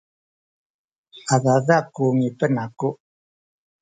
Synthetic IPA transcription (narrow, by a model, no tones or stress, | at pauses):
aðaðakuːŋipːənaku